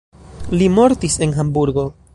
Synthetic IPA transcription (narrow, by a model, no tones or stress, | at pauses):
limo̞ɾtise̞nɦambuɾɡo̞